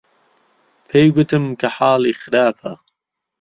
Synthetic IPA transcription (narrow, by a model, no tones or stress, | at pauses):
pʰejɡʊt̪ɨmkʰɐħɑːliːxɨɾaːpʰɐ